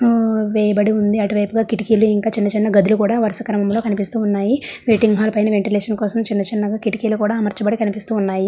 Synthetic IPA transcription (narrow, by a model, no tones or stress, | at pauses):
ʋɛːjɐbɐɽiund̪iɐʈuʋɐjpuɡaːkiʈikiːluiŋkaːt͡ʃinːɐt͡ʃinːɐɡɐd̪ulukuːɽaːʋɐɾsɐkɾɐmɐmlo̞ːkɐnipist̪uːnːaːjiʋeːʈiŋɡɦaːlpɐjnɐʋeɳʈileːʂɐnkɔːsɐmt͡ʃinːɐt͡ʃinːɐɡaːkiʈikiːlukuːɽaːmɐɾt͡ʃɐbɐɽikɐnipist̪uːnːaːji